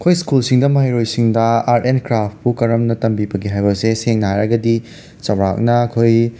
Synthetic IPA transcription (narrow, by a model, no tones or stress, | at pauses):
kʰojskulsiŋdɐmɐɦɐjɾojsiŋdɐaɾʔenkɾapʰpukɐɾɐmnɐtɐmbibɐɡiɦajbɐseseŋnɐajɾɐɡɐdi | t͡ʃɐwɾa̰k̚nɐkʰoj